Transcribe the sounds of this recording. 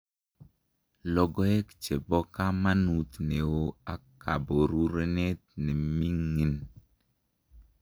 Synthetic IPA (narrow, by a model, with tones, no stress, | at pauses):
lɔ˨ɡo˦e˦kt͡ʃe˨bɔ˦ka˦ma˦nu˨t̪ne˨wo˦a˨ka˨bo˨ɾu˦ɾe˦ne˦t̪̚ne˨mi˦ŋi˨n